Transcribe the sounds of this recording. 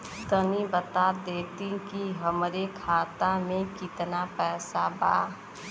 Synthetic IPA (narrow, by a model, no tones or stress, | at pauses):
t̪ənibət̪aːɾd̪eːt̪ĩkiɦəmɾekʰaːt̪amẽkɪt̪napɛːsaba̰ː